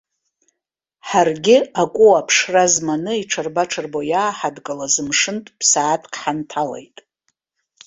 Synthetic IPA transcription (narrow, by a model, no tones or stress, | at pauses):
ħarɡʲɪakʷʼuapʰʂrazmanɨiʈ͡ʂʰarbaʈ͡ʂʰɨrbojaːħadkʼalazɨmʂɨntʼpʰsaːtʰkʰʼħantʰalḛjtʼ